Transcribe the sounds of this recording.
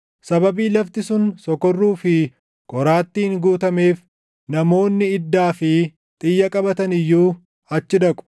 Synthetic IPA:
sɐbɐbiːlɐft̪ɪsʊnsɔkɔrːuːfɪ | kʼɔɾaːt̪ːiːŋɡuːt̪ɐme̞ːf | nɐmo̞ːnːɪɪd̪ːaːfɪ | t̪ʼɪjːɐkʼɐbɐt̪ɐnɪjːuː | ɐt͡ʃːɪd̪ɐkʼʊ̥

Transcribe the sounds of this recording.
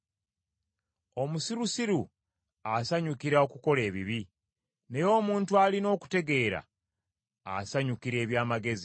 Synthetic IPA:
o̞musiɾusiɾu | asaɲukiɾao̞kuko̞le̞ːβiβi | ne̞jo̞ːmuːntualino̞ːku̥te̞ɡe̞ːɾa̰ | a̰saɲukiɾe̞ːβjaːmaɡe̞zi

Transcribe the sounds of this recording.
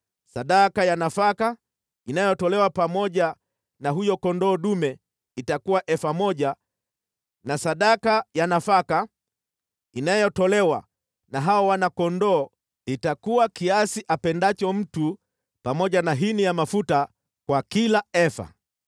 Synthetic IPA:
saɗakajanafaka | inajɔtɔlɛwapamɔʄa | naɦujɔkɔndɔːɗumɛ | itakuwaʔɛfamɔʄa | nasaɗakajanafaka | inajɔtɔlɛwa | naɦawawanakɔndɔː | itakuwakiasiʔapɛndat͡ʃɔm̩tu | pamɔʄanaɦinijamafuta | kwakilaɛfa̰

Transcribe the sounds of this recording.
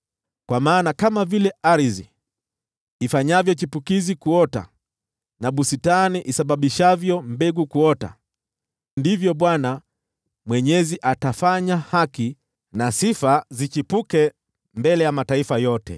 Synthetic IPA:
kwamaːnakamavilɛaɾizi | ifaɲavjɔt͡ʃipukizikuɔta̰ | naɓusitaniʔisaɓaɓiʃavjɔmbɛɡukuɔta̰ | ndivjɔɓwana | mwɛɲɛziʔatafaɲahaki | nasifazit͡ʃipukɛ | mbɛlɛjamataifajɔtɛ̰

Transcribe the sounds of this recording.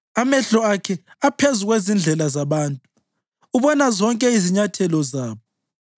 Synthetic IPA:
amɛɬɔakʰɛ | apʰezuɣwezind͡ɮʱɛlazaβaːntʼu | uβɔnazɔŋkʼɛiziɲatʰɛlɔzaːβɔ

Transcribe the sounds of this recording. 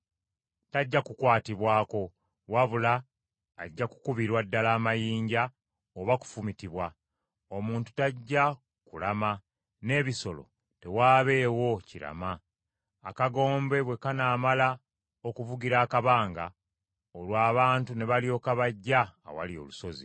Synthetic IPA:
taɟːakukwaːtiβwaːko̞ | waβulaː | ɟːaku̥kuβiɾwadːalaːmajiːɲɟa | oβaku̥fumitiβwa | o̞muːntu̥taɟːa | kulama | ne̞ːβiso̞lo̞̰ | te̞waːβe̞ːwo̞ciɾa̰maː | kaɡo̞ːmbe̞βwe̞kanaːmala | okuvuɡiɾaːkaβaːŋɡa̰ | olwaːβaːntune̞βalio̞ːkaβaɟːa̰ːwa̰lio̞̰luso̞zḭ

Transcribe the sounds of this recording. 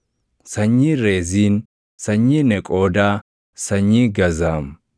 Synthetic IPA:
sɐɲːiːɾe̞ːziːn | sɐɲːiːnɛkʼo̞ːd̪aː | sɐɲːiːɡɐzaːm

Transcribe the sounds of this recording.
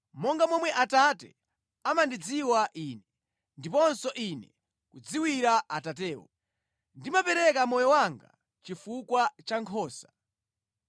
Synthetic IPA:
mɔŋɡamɔmwɛʔatatɛ | amandid͡ziwaʔiːnɛ | ndipɔnsɔʔinɛ | kud͡ziwiɾaatat̬ɛːwɔ̰ | ndimapɛɾɛkamɔjɔwaŋɡa̰ | t͡ʃifukwat͡ʃaŋkʰɔːsḁ

